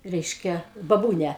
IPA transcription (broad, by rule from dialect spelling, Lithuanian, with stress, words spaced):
ˈrʲɛɪʃʲkʲɛ bɐˈbuːnʲɛ